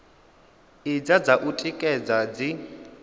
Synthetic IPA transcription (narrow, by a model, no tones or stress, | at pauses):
id͡zad͡zaʔutʼikʼɛd͡zad͡zi